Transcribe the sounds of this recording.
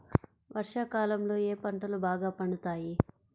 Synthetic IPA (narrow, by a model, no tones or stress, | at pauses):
ʋʔɐɾʂaːkaːlɐmlo̞ːeːpɐɳʈɐlubaːɡaːpɐɳut̪aːji